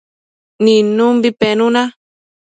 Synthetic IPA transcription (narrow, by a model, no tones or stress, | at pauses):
nĩnũmbipenũnã